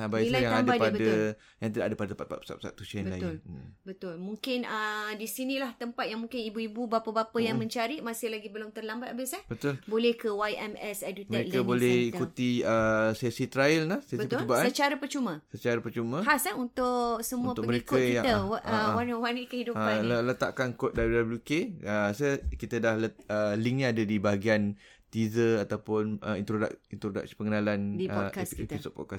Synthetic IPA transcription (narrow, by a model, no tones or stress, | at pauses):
abailaat̪ambbadpabədə | jã̰ŋt̪idaʔadəpadət̪əpat̪̚pa̰t̪̚pə̥sa̰pə̥sa̰t̪ːut͡ʃanbəlaʊlbət̪ʊlmũŋkɪnədisinĩlaht̪əmpat̪̚jaŋmuŋkɪnibuibubapabapajaŋmə̃ɲt͡ʃaɾiʔmasɪhlaɡibəlʊŋt̪ərlambat̪abɪsahbət̪ʊlbolɛhkəwajʔɛmɛsɛdut̪məɾekabolɛhikut̪iəsesit̪ɾajəlnahsesbətipəlbasasət͡ʃaɾapərt͡ʃumə̃sət͡ʃaɾapərt͡ʃumə̃hasaunt̪ʊʔsəmuuəʊməɾekajat̪əwanəwanikəhiduəaələt̪a̰ʔkankot̪̚dabljudabljukeəsəkit̪ədahləəliŋɲadadibaɦaɡian | t̪izəat̪awpʊnəḭnt̪ɾoda̰kint̪ɾoda̰k̚si̥pəŋənalandipɔkasiɛp̪isɔpɔ̰t̚kas